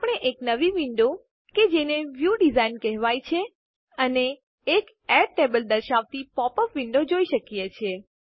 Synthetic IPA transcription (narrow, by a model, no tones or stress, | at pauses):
apɽ̃eʔeknəʋiʋɪɳɖo | ked͡ʒeneʋjuɖizainkɛɦʋajt͡ʃʰe | əneː | k | ɛɖʈebəld̪əɾʃaʋt̪ipɔpəfʋiɳɖod͡ʒoiʃəkjet͡ʃʰe